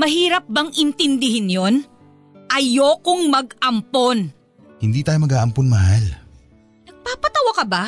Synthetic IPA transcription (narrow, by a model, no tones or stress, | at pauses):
mɐɦiːɾɐp̚bɐŋʔɪnt̪ɪnd̪ɪɦɪnjo̞n | ʔɐjo̞kʊŋmɐɡ̚ʔɐmpon | hɪnd̪iːt̪aːjomɐɡaːʔɐmponmɐhal | nɐɡ̚paːpɐt̪ɐwɐkɐba